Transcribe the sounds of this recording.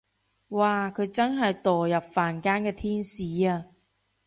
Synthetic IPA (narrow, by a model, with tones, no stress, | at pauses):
waː˨˧kʰɵ˨˧ɥt͡sɐ˥nɦɐ˨jt̪ɔː˨jɐ˨p̚faː˨˩nkaː˥nkɛː˧t̪ʰiː˥nsiː˨˧˦aː˧